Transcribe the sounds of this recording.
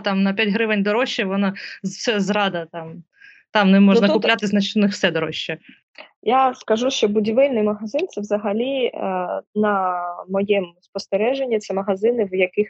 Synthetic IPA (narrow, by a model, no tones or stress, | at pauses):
t̪ɑmnɐpʲjatʲɦɾɪʋɪnʲd̪ɔɾɔʃːɛʋɔnɐzsɛzɾɑd̪ɐt̪ɑm | t̪ɑmnɛmɔʒnɐkʊplʲat̪ɪznɐt͡ʃ̪nɪxw̥sɛd̪ɔɾɔʃːɛ | jaskɐʒuʃt͡ʃɔbʊdʲiʋɪlʲnɪjmɐɦɐzɪnt̪sɛwzɐɦɐlʲi | nɐmɔjɛmspɔst̪eɾɛʒenʲːit̪sɛmɐɦɐzɪnɪwjɐkɪx